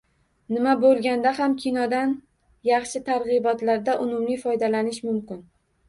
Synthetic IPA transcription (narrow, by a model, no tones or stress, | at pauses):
nɪmabolˠɡʲand̪aɦamkʲʰinɒd̪an | jɑχʃɪt̪ʰaɾʁɨbɒt̪laɾd̪aʔʊmʊmlifɒjd̪alanɪʃmʊmkʲɪn